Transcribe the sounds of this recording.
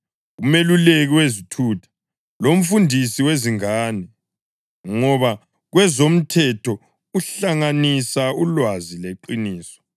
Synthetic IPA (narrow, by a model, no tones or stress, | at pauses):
umeluleɣiwezitʰuːtʰḁ | lom̩fundʱisiweziŋaːni | ŋɔβa | ɣwɛzom̩tʰɛtʰɔ | uɬaŋanisaulwazileǃiniːsɔ̥